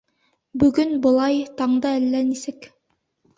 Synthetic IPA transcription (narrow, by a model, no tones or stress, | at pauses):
bɵ̆ɡɵnbɤ̆lˠɑjt̪ɑɴd̪ɤælːænisɘk